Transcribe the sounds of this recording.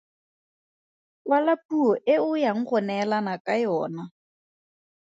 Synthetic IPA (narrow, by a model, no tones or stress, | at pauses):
walapʼuɔʔɪʊjaŋ̩χʊnɛlanakʼajɔːna